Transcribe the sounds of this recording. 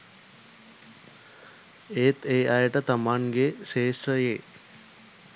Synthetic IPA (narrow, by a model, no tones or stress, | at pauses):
eːt̪eːʔajəʈət̪ɐmaŋɡeʃeːʂʈɾəjeː